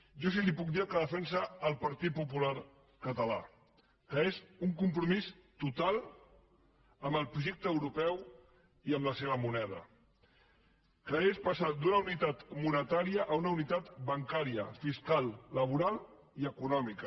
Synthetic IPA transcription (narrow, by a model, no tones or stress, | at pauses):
ʒɔs̬ilipuk̚d̪iakəðəfɛnsəːlˠpəɾt̪it̪̚pupulaɾ | kət̪əla̰ | kəezuŋkumpɾumist̪ut̪alˠ | əmbəlˠpɾuʒek̚t̪əːwɾupɛw | iəmləseβ̞əmunɛð̞ə̰ | kəespasad̪unəunit̪at̪munət̪aɾiəʔunəunit̪at̪bəŋkaɾiə̰fiskalˠːəβ̞uɾalˠ | iəkunɔmikə